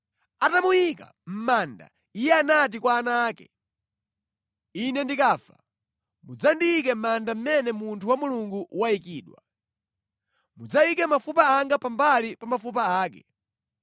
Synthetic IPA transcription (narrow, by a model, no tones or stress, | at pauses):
atamujika̰m̩manda̰ | ijɛanat̬ikwaːnaːkɛ̰ | inɛndikaːfa | mud͡zandiikɛm̩mandam̩mɛnɛmuntʰuwamuluŋɡuʔwaikiːɗwa | mud͡zaikɛmafupaaŋɡapambalipamafup̬aaːkɛ̰